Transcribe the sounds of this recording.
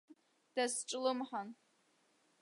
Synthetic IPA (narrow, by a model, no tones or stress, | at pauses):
d̥asʈ͡ʂʼlɨmħan